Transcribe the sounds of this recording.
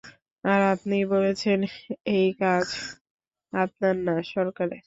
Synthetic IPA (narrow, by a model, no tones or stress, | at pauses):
aɾapnibolet͡ɕʰenejkad͡ʑ | ap̚naɾnaʃɔɾkaɾe